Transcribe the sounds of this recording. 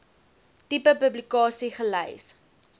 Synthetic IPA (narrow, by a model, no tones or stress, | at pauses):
tipəpɵblikɑːsiχəlɛ̰js